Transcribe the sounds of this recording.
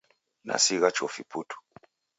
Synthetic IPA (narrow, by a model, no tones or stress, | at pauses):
na̰siɣat͡ʃɔfiputu̥